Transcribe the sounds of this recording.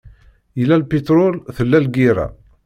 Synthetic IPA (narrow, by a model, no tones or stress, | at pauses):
jəlːælpit̪ɾʊlθəlːælɡiɾæ̰